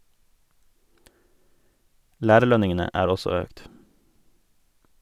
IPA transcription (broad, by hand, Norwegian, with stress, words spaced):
ˈlæːɾəˌɭœnɪŋənə ˈæːɾ ˈɔsɔ ˈøːkt